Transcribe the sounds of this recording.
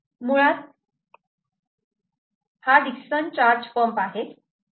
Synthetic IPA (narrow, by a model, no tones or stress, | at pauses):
muɭat̪̚ | had̪iksənt͡ɕaɾd͡ʑfəmpaɦet̪